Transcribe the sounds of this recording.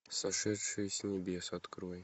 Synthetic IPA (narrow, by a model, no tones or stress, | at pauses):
sɐʂɛt̪ʂɨjsʲnʲɪbʲesɐt̪kɾoj